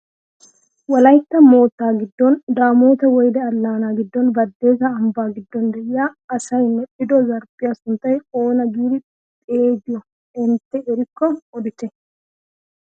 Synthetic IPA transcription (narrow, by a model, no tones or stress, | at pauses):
wɐlɐjt̪ːɐmo̞ːt̪ːaːɡɪd̪ːond̪aːmoːt̪ɐwɔjd̪ɛɐlːaːnaːɡɪd̪ːɔːnbɐd̪ːe̞ːzɐːmbaːɡɪd̪ːɔnd̪ɛjːaːɐsɐjɪnːɛᶑɪd̪ɔzɐɾbɪjɐsʊnt̪ɐjɛoːnɐd͡ʒuːɾɪ | pʼeːd̪ɪjɔ | ɛnt̪ːɛɛɾɪkːɔɔd̪ɪt̪ɛ